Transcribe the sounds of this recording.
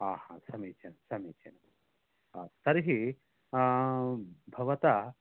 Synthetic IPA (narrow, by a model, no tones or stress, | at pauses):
aːhãsɐmiːt͡ʃɐnɐmsɐmiːt͡ʃɐnɐm | t̪ɐɾɦi | bʱɐʋɐt̪ɐ